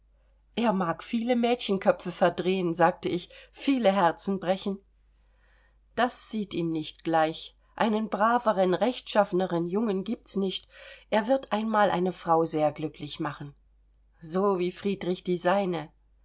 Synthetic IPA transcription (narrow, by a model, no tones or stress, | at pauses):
ʔeːɐmaːkfiːləmɛːtçən̩kʰœfəfɛɐdʁeːənzaːk̚təʔɪçfiːləɦɛɐt͡sn̩bʁɛçn̩ | d̥asz̥iːtiːmnɪçtɡ̥laɪç | ʔa̰ɪnənbʁaːvəʁənʁɛçtʃafənəʁənjʊŋənɡiːp̚tsnɪçtʔeːɐvɪɐtʔaɪnmaːlʔa̰ɪnəfʁ̥aʊzeːɐɡlʏklɪçmaχn̩ | zoːviːfʁ̥iːdʁɪçd̥iːzaɪnə